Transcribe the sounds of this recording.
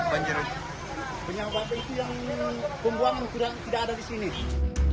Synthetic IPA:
baɲd͡ʒəɾ | bəɲabat̪ait̪ujaŋbəmbuaŋankuɾat̪idakadadisini

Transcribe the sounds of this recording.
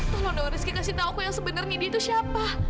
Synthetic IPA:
kalodaoɾɪskikasit̪aukujaŋsəbənərɲadit̪usiapa

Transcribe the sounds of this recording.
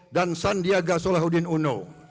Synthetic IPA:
dansandiaɡaʔsolaɦudinuno̰

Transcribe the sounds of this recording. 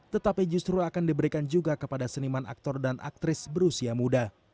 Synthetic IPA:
t̪ət̪apid͡ʒust̪ɾuakandibəɾikand͡ʒuɡakəpadasənimana̰k̚t̪ɔrdanʔa̰k̚t̪ɾɪsbəɾusiamuda

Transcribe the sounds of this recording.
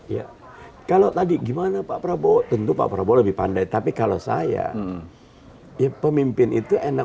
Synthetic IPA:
ja̰ | kalot̪adiɡimanapapɾabot̪ənt̪upa̰ʔpɾaboləbɪhpa̰ndajt̪apikalo̰sa̰ja̰ | japəmimpɪnit̪uʔena

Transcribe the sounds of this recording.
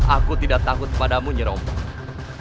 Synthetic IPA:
ʔakut̪idaʔt̪akʊt̪̚kəpadamuɲəɾɔmpɔ

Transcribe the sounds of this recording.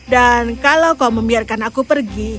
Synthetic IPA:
dankalawkauməmbiarkanakupərɡi

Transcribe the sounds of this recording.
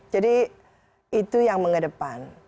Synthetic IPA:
d͡ʒadi | it̪ujaŋməŋədəpan

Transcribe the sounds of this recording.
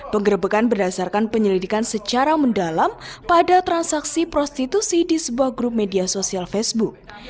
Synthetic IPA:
pəŋɡəɾəbəkanbərdasarkanpəɲəlidikansət͡ʃaɾaməndalampadat̪ɾansaksipɾɔst̪it̪usidisəbuahɡɾup̚mediasosialfɛsbuk̚

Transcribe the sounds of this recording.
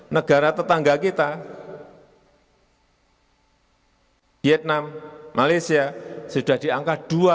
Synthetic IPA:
nəɡ̥aɾat̪ət̪aŋɡakit̪a | viɛt̪̚namːalajsiasud̥a̤d̥iaŋkad̥ua

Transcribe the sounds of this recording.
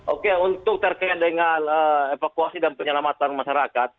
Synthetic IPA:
ʔokeunt̪ʊk̚t̪ərkajt̪̚dəŋanəefakuasidanpəɲəlamat̪anmaʃaɾakat̪̚

